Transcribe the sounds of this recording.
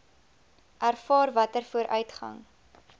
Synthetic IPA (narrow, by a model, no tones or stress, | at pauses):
ʔærfɑːrvɐtərfuəɾʔœ̰ɥtχɐ̰ŋ